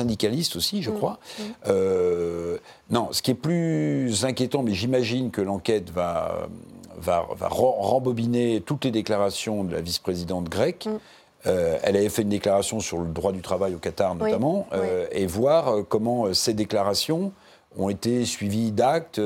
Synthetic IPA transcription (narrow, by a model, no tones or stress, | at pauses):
sɛ̃d̪ikalist̪osiʒəkχwaø | nɔ̃sə̥kʲiɛplyzɛ̃kʲjet̪ɑ̃mɛʒimaʒinkəlɑ̃kʲɛt̪vaø̰va̰va̰ʁɑ̃ʁɑ̃bɔbinet̪ut̪led̪eklaʁasjɔ̃d̪əla̰vispχezid̪ɑ̃t̪ɡʁɛk | øɛ̰lavɛfɛynd̪eklaʁasjɔ̃syʁləd̪ʁwad̪yt̪χavajokat̪aʁnɔt̪amɑ̃øevwaʁøkɔmɑ̃øsed̪eklaʁasjɔ̃ | ɔ̰̃et̪esɥivid̪ak̚t̪